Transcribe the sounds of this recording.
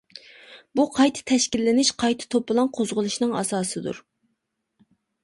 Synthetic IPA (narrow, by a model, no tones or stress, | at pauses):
buqʰɑjt̪ʰɨ̥t̪ʰɛʃkʲilːɪnɪʃqʰɑjt̪ʰɨ̥t̪ʰopːɨlˠɑnqʰozʁʊlˠuʃnɨŋɑ̰sɑːsɨd̪ṵɾ